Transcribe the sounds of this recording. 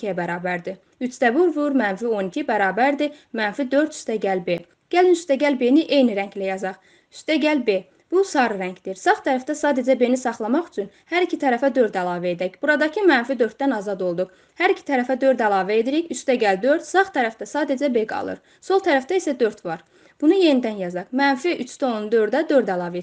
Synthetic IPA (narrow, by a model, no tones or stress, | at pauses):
jæbæɾɑːbæɾd̪i | yt͡ʃʰt̪ævuɾvuɾmænfio̞nicʰibæɾɑːbæɾd̪imænfid̪ø̞ɾt̪y̥st̪æɟælbe̞ | ɟ̥ælinyst̪æɟælbe̞niʔe̞jniɾæɲclæjɑzɑχ | yst̪æɟælbe̞ | b̥usɑɾɾæɲcd̪iɾsɑχt̪ʰæɾæfd̪æsɑːd̪æd͡ʒæbe̞nisɑχlˠɑmɑχy̥t͡ʃʰyn | hæɾicʰit̪ʰæɾæfæd̪ø̞ɾd̪ælˠɑːvæe̞d̪æcb̥uɾɑd̪ɑcʰimænfid̪ø̞ɾt̪̚d̪ænɑzɑd̪o̞lˠd̪uχ | hæɾicʰi̥t̪ʰæɾæfæd̪ø̞ɾd̪ælˠɑːvæe̞d̪iɾiçyst̪æɟæld̪ø̞ɾd̪̥sɑχt̪ʰæɾæfd̪æsɑːd̪æd͡ʒæbe̞ɡɑ̰lˠɯ̰ɾ | so̞lˠt̪ʰæɾæfd̪æisæd̪ø̞ɾt̪vɑɾ | b̥unuje̞nid̪ænjɑzɑqmænfiʔyt͡ʃʰt̪æond̪ø̞ɾd̪æd̪ø̞ɾd̪ælˠɑːvɛ